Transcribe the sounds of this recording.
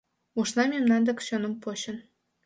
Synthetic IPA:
uʃnɑmʲemnɑnd̪ə̆kʃonə̆mpoɕə̆n

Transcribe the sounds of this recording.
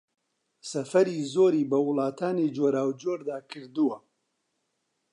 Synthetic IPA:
sɐfɐɾiːzoːɾiːbɐwʊlˠɑːt̪ʰaːneːd͡ʒoːɾaːwd͡ʒoːɾd̪aːkʰɨɾd̪uwɐ

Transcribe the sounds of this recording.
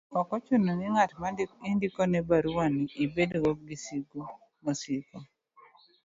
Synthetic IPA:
ɔkɔt͡ʃunonɪŋatmaindikɔnɛbaɾuwaniʔibedowoɡisiɡo | mosiɡɔ

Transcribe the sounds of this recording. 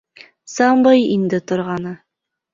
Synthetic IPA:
sɑmbɤjind̪ɘt̪ŏɾʁɑnɤ

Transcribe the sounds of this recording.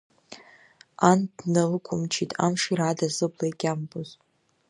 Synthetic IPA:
andnalɨkʷʰʊmt͡ʃʰitʼa̰mʂirʕadazɨblajkʲʼamboz

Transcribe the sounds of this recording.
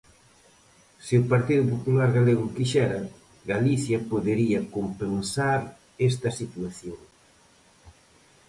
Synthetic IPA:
seʊpaɾt̪iðʊpopulaɾɣaleɣʊkiʃɛɾɐ | ɡaliθjɐpoðeɾiɐkompensaɾ | ɛst̪ɐsit̪waθjoŋ

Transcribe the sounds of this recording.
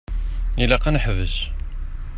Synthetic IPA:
ilæqænħvəʒ

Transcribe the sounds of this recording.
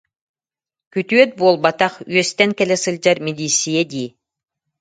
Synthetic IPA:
kyt̪yœt̪̚buɔlˠbat̪aχyœst̪ɛŋkɛlʲɛsɯlʲd͡ʑaɾmid̪iːsːijɛd̪iː

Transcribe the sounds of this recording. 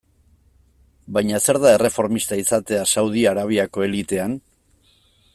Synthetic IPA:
bajɲase̞ɾðae̞re̞fo̞ɾmist̪aisat̪e̞asawð̞iaɾaβ̞iako̞e̞lit̪e̞an

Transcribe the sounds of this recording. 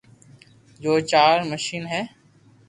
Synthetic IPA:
d͡ʒoːt͡ʃaːɾməʃiːnɦɛː

